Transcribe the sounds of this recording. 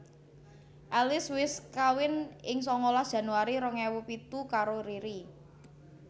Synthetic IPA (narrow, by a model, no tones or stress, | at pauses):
ʔɛlɪswɪskawɪnɪŋsɔŋɔlad̥ʒ̥ä̤nuaɾiɾɔŋɛwupit̪ukaɾoɾiɾi